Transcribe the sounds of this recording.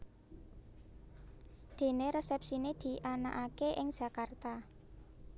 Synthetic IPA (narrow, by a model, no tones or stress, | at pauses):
d̪̥e̤neɾesɛp̚sined̪̥i̤ʔanaʔakeʔɪŋd̥ʒ̥ä̤kart̪a